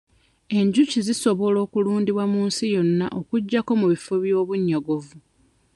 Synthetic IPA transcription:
e̞ɲɟuciziso̞βo̞lo̞ːkuluːndiβwamuːnsijo̞nːa̰ʔo̞kuɟːako̞muβifo̞βjo̞ːβuɲːoɡo̞vu

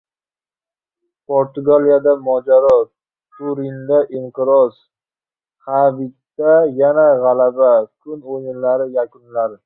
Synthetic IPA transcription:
pʰoɾt̪ʊɡalijad̪amɒd͡ʒaɾɒ | t̪ʰuɾɪnd̪aʔɪmqɨɾɒs | habɪt̪ːajanaʁalabakʰʊnonɪlaɾɪjakʊnlaɾ

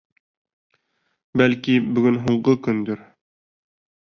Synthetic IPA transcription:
bælkibɵ̆ɡɵnɦuɴɢɤkɵnd̪ɵɾ

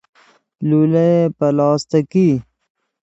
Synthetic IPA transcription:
lulɐepɐlɑːst̪ɐki

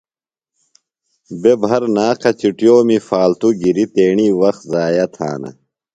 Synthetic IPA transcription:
bebʱɐɾnaːkʰɐt͡ɕiʈjoːmifaːlt̪uɡiɾit̪eːɳiːwɐxzaːjɐt̪ʰa̰ːnɐ̰

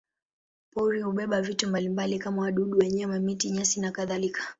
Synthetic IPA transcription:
pɔɾihuɓɛɓavitumbalimbalikamawaɗuɗuwɛɲɛwɛmitiɲasinakaðalikḁ

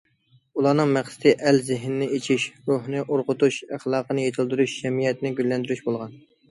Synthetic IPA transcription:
ulˠɑnɨŋmæχsɪ̥t̪ɪʔælzɪɦnɪnɪet͡ʃʰiʃɾuɦnɨʔoɾqʊt̪uʃæχlˠɑːqʰənɨjet̪ʰɨlˠd̪yɾyʃd͡ʒɛmijɛt̪ɪnɪɡʲylːɛnd̪yɾyʃbolˠʁɑn

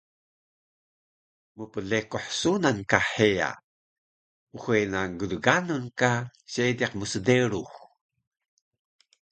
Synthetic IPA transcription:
məpəɮekoħsunankaħeja̰ | uxejnaɡələɡanunkaɕediqməsədeɾux

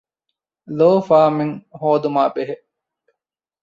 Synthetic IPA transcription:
loːfaːmeŋhoːd̪umaːbeɦeʔ

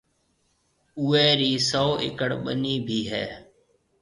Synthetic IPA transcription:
uːeːɾiːsoːʔɪ̰kəɽɓəniːbʱiːɦɛ̰ː

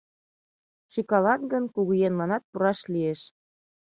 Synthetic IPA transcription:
ʃikɑlɑt̪ɡə̆nkuɣujenmɑnɑt̪̚puɾɑʃlieʃ

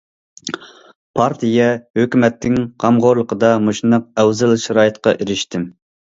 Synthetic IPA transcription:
pʰɑɾt̪ʰijɛhøkʲymɛt̪ʰːɪŋqʰɑmʁoɾlˠəqəd̪ɑmoʃnəq̚ɛwzɛlˠʃɑɾɑːjɨt̪qɑʔiɾɪʃt̪ʰɪm

